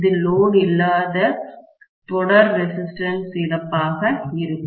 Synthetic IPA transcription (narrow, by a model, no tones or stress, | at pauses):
ðɯloːnɪlːaːðɐ | t̪ɔɽɐɾːɛsɪsʈɐnsɪɾɐpːaːɣɐɪɾɯkː